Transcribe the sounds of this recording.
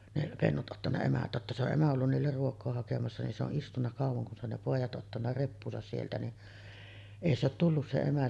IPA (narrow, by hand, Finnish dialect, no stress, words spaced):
ne penːut ʔotːɑnːɑ emæ totːɑ se oʔ ʔemæ olːun niːlːer ruokˑoː hɑkemɑsːɑ nin se oʔ ʔistunːɑ kɑˑuʋˑoŋ kun se on ne poˑijˑɑt ʔotːɑnːɑ repːuːsɑs sieltæ ni ʔei se ot tulːus se emæ